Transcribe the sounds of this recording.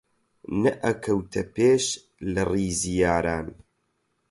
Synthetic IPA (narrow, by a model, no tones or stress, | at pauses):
nɐʔɐkʰɐwt̪ʰɐpeːʃ | lɨriːzijaːɾaːn